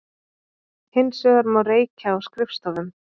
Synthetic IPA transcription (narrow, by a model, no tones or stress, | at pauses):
hɪnːsœːɣaɾmawreːjcʰaːwskɾɪfst̪ɔðʏm